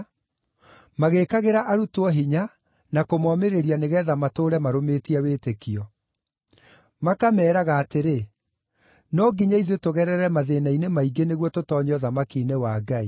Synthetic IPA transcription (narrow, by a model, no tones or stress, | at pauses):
maɣekaɣeɾaʔaɾutwɔɦiɲa | nakomɔmeɾeɾianeɣɛːðamatoːɾɛmaɾometiaweːtekiɔ | makamɛːɾaɣaːteɾe | nɔɡiɲaiðetoɣɛɾɛɾɛmaðenainemaiɡeneɣwɔtotɔɲɔðamakiːnewaːɡai